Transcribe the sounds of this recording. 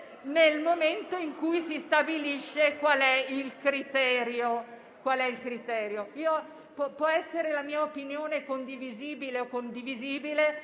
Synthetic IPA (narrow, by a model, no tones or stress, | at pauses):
nelmoment̪oiŋkujsist̪abiliʃːekwalɛilkɾit̪ɛːɾjo | kwalɛilkɾit̪ɛːɾjoiːo | ppwɔɛsːeɾelamiːaopinjoːnekond̪iviziːbileokːond̪iviziːbile